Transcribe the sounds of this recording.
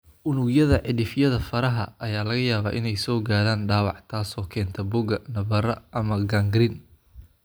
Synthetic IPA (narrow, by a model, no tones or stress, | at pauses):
ʔʊnʊɡjɐðɐʕɪdɪfjɐðɐfɐɾɐɦɐʔɐjaːlɐɣɐjaːβa̰ːʔɪnɛjsɔːɡaːɾaːnɖaːwɑ̰ʕt̪ʰaːsɔːkʰɛːnt̪ʰɐbʊɡɐnɐβɐɾɐʔɐmɐɡɐŋɡɾɪn